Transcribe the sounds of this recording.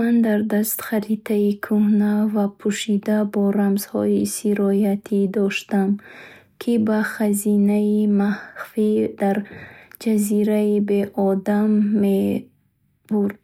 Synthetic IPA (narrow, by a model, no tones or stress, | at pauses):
and̪aɾd̪ast̪χaɾit̪ʰaikʰuhnavapʰuʃid̪abɔɾamz̥hɔisiɾɔjat̪ʰid̪ɔʃt̪am | kʰibaχazinaimahfid̪aɾd͡ʒaziɾaibe̞ʔɔd̪amːe | buɾd̪